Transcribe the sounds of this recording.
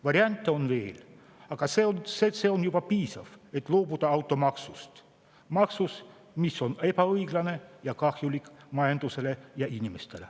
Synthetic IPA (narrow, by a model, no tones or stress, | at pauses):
ʋɑɾiɑnʲt̪ːeonvḛːl | ɑkɑseonseseonjupɑpiːsɑfet̪ːloːput̪ɑɑwt̪ːˑomɑksust̪ | mɑksus | misːonepæɤjɡ̥lɑnejɑkɑxjulikmɑjɑnd̪̥uselejɑʔinʲimest̪ele